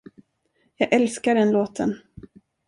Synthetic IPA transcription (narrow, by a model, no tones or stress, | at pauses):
jɑːɡʔɛlskaɖɛnloːt̪ʰən